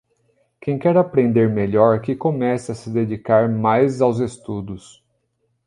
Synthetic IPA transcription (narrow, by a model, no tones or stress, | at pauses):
kẽj̃kɛɾapɾẽnd̪eɾmeʎɔɾkɪkomɛsɐsɪd̪ed͡ʒikaɾmajzawzest̪ud̪ʊs